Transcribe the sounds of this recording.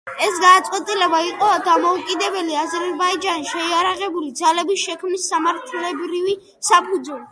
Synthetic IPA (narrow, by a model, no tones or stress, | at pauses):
ɛsɡad̪at̪sʼqʼwɛt̪ʼilɛbaiqʼɔad̪amɔukʼid̪ɛbɛliazɛɾɾbaid͡ʒaniʃɛiaɾaʁɛbulid̪zalɛbisʃɛkʰmnisːamaɾt̪ʰlɛbɾivi | sapʰud̪zuli